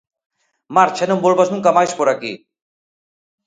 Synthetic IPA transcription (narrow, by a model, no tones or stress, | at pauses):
maɾt͡ʃʰɛnombolbasnuŋkamajʃpoɾaki